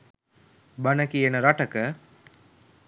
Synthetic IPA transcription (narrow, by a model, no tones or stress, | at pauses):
bɐnɐkienɐɾɐʈɐkɐ